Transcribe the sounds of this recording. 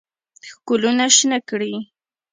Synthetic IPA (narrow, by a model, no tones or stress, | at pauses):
kʊlʊnaʃnakɾɪ